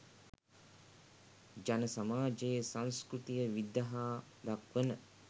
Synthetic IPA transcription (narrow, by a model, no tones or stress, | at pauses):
d͡ʒanəsamaːd͡ʒejsanskɾut̪ijəʋid̪ːaɦaː | d̪akʋənə